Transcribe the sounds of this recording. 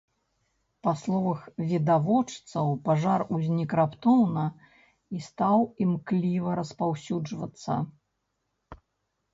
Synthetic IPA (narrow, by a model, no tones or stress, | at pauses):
paslˠɔvɐxvʲid̪avɔt͡ʂt̪sɐwpaʐaruzʲnʲikɾapt̪ɔwnɐ | ist̪awimklʲivɐɾɐspawsʲud͡ʐvɐ̰t̪sːɐ̰